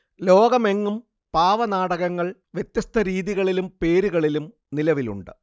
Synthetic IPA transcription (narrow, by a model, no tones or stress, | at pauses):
lo̞ːɡɐme̞ŋːum | paːʋɐnaːɽɐɣɐŋːɐɭʋjet̪jɐst̪ʰɐɾiːðiɣɐɭilumpe̞ːɾuɣɐɭilum | nilɐʋilṵɳɖɨ̥̰